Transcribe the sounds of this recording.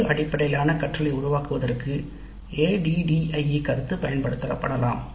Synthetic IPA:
ʔɐɽɪpːɐɽɐjlaːnɐkɐʈrɐlɐɪʊɾʊʋaːkɯʋɐðɐrkɯ | eːɖiɖiɐɪikɐɾɯt̪ːɯpɐjɐnpɐɽɯt̪ːɐɾɐpːɐɽɐlaːm

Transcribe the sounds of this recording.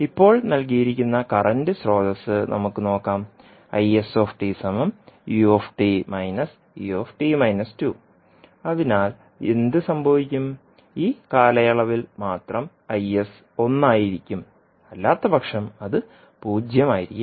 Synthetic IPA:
ipːo̞ːɭnɐlk̬ijiɾikʲːunːɐkɐrɐndɨsro̞ːdɐsːɨnʔɐ̰mukːɨno̞ːkːaːm | ɐjeso̞ːfʈisɐmɐmjuefʈimɐjnɐs | juefʈimɐjnɐstu | ɐðinaːl | e̞̰nd̪ɨsɐmbʱɐʋikʲːum | iːkaːlɐjɐɭɐʋilmaːt̪rɐm | ɐjes | o̞nːaːjiɾikʲːum | ɐlːaːt̪ːɐbʱɐkʂɐmɐðɨ | puːd͡ʑjɐmaːjiɾikʲːu

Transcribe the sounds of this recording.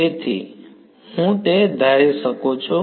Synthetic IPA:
et̪ʰḭ | ɦũt̪ed̪ʱaɾisəkot͡ʃʰu

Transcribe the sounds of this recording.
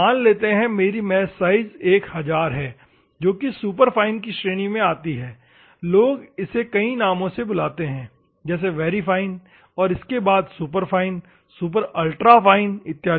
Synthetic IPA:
aːnleːt̪eɦɛ̃meːɾimɛːsaːɪzeːkhɐzaːɾɦɛː | d͡ʒoːkisuːpəɾpʰaːɪnkiʃɾeːɽ̃imẽaːt̪iɦɛː | loːɡɪsekɐinaːmõsebʊlaːt̪eɦɛ̃ː | d͡ʒɛːs̬eʋɛːɾifʰaːɪn | ɔːɾɪskebaːd̪suːp̬əɾpʰaːɪn | suːp̬əɾəlʈɾafʰaːɪnɪt̪ːjaː

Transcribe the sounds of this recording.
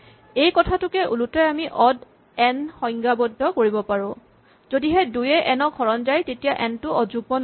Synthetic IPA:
ejkɔtʰatʊkɛʔulutɔjamiʔɔd | ɛnxɔjŋɡabɔdʱːɔkoɹibɔpaɹʊ̃ | zodiɦɛdujɛʔɛnɔkʰɔɹɔndajtetijaʔɛntʊʔɔzuɡ̚bɔn

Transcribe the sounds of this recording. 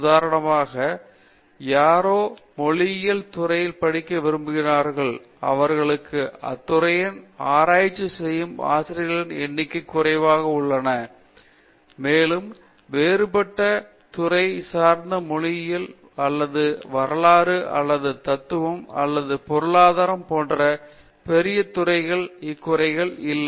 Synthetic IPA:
ʊðaːɾɐɳɐmaːɣɐ | jaːɾoːmɔɭɪjɪlt̪ʊrɐjɪlpɐɽɪkːɐʋɪɾɯmbɯɣɪraːɾɣɐɭ | ɐ̰ʋɐɾɣɐɭɯkːɯɐ̰t̪ːʊɾɐjɪnaːɾaːjɪt͡ʃːɯsɛjːɯma̰ːsɪɾɪɣɐɭɪnɛnːɪkːɐkːʊrɐɪʋaːɣɐʊɭːɐnɐ | meːlɯm | ʋeːɾɯpɐʈːɐ | t̪ʊrɐɪsaːɾnd̪ɐmɔɻɪjɪl | ɐlːɐðɯʋɐɾɐɭaːɾɯʔɐ̰lːɐðɯt̪ɐt̪ːɯʋɐmɐ̰lːɐðɯpɔɾɯɭaːðaːɾɐmpoːndrɐ | pɛɾɪjɐt̪ʊrɐɪɣɐɭɪkːʊrɐɪɣɐɭɪlː

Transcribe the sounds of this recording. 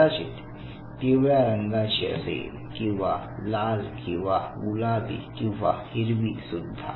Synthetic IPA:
at͡ɕḭt̪ | t̪eʋjaɾəŋɡat͡ɕiə̰sḛl | kĩw̃ʋalalkĩw̃ʋaɡulabḭkĩwʋa̰hiɾʋisud̪ʱːa̰

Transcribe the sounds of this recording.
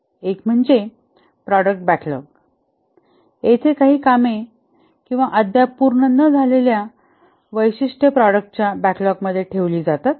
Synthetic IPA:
ekm̤əɳd͡ze | pɾɔɽək̚ʈ̚bæklɔ̰k̚ | et̪ʰekaɦiːkame | kĩw̃ʋaʔəd̪ʱjapuɾɳənːəd͡zʱalelja | ʋəjɕiʂʈʰəpɾɔɽək̚ʈ̚t͡ɕjabæklɔɡ̚məd̪ʱːjeʈʰeʋliːd͡zat̪at̪̚

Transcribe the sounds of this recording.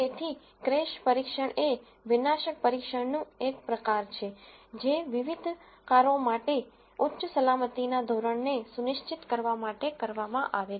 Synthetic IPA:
t̪et̪ʰi | kɾeʃpəɾikʃəɳe | ʋɪnaʃək̚pəɾikʃəɳnũek̚pɾəkaɾt͡ʃʰed͡ʒeʋɪʋid̪ʱ | kaɾõmaʈe | utːʃəsəlamət̪inad̪ʱoɾəɳnesunɪʃt͡ʃit̪kəɾʋamaʈekəɾʋamãʔaʋe

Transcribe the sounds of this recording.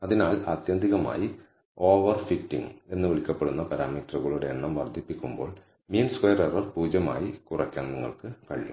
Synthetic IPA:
ɐðinaːlaːt̪jɐnd̪ʱiɣɐma̰ːji | o̞ːʋɐrfitːḭŋe̞nːɨʋiɭikʲːɐpːe̞ɽunːɐpɐɾaːmiːtrɐɣɐɭuɽeːɳːɐmʋɐrd̪ʱːipːikʲːumbo̞̰ːɭ | miːnskwejɐɾerɐrpuːd͡ʑɐma̰ːjikurɐkʲːa̰ːnniŋːɐ̰ɭkɨkɐ̰ɻḭjṵm

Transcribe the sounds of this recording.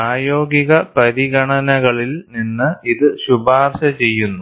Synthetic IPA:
aːjo̞ːɡiɣɐpɐɾiɣɐɳɐnɐɣɐɭilninːɨiðɨɕubaːrɕɐt͡ɕe̞jːunːu

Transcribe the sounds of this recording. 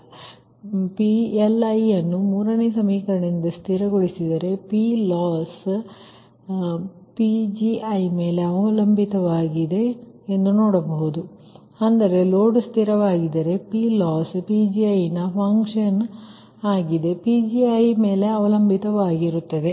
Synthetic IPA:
pielɐjːɐnːumuːɾɐnesɐmiːkɐɾɐɳind̪ɐst̪ʰiɾɐɡoɭisid̪ɐɾe̞pilaːs | pid͡ʒiɐjme̞ːle̞ɐʋɐlɐmbʱit̪ɐʋaːɡid̪e̞ːnd̪unoːɽɐbɐɦud̪u | ɐnd̪ɐɾe̞loːɖst̪iɾɐʋaːɡid̪ɐɾe̞pilaːspid͡ʒiɐjnɐpʰɐŋkʂɐn | aːɡid̪e̞pid͡ʒiɐjme̞ːle̞ɐʋɐlɐmbʱit̪ɐʋaːɡiɾut̪ːɐd̪e̞

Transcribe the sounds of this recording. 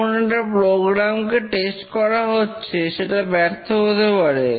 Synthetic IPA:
oneʈapɾoɡɾamkeʈesʈkɔɾaɦotːɕʰeʃeʈabɛɾt̪ʰoɦot̪epaɾe

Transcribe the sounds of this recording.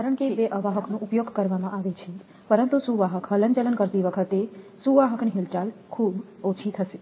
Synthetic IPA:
kaɾəɳ̃keʋeʔəʋaɦəknõʔupjoɡkəɾʋamãʔaʋet͡ʃʰe | pəɾənt̪usuʋaɦəkɦələnt͡ʃələnkəɾt̪iʋəkʰət̪esuʋaɦəkniɦilʈalkʰub | ot͡ʃʰit̪ʰəʃe

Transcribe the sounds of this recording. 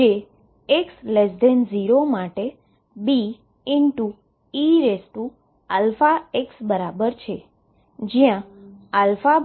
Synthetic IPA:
e | ekslesd̪ʱenziɾomaʈe | bi | ɪɳʈu | iɾesʈu | alfaeksbəɾabəɾt͡ʃʰe | d͡ʒijãalfa

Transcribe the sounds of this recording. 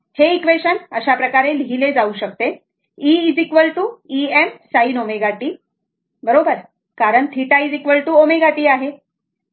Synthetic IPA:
heikʋeɕənəɕapɾəkaɾeliɦiled͡zauɕək̚t̪e | iːd͡zikʋəlʈuːiemsainomeɡaʈiː | bəɾobəɾ | kaɾəɳt̪ʰiʈaid͡zikʋəlʈuːomeɡaʈiːaɦe

